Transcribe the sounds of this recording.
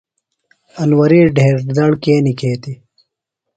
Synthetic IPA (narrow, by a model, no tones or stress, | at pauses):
ɐnwɐɾiːɖʱeːɾd̪ɐɽkeːnikeːt̪i